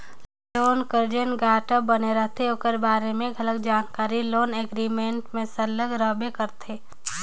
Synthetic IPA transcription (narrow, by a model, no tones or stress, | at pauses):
loːnkəɾd͡ʒənɡaːʈəbɐneɾəɦt̪ʰeokəɾbaːɾemẽɡɐlək̚d͡ʒaːnkaːɾiloːneɡɾimẽɳʈmẽsɐləɡɾəbekɐɾt̪ʰeː